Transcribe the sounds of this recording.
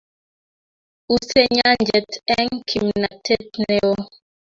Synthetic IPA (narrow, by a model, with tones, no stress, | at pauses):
u˦sɛ˦ɲa˦nd͡ʒɛ˨tɛ˦ŋ˦kʰi˨mna˨tʰɛ˦tnɛ˨ɔ˦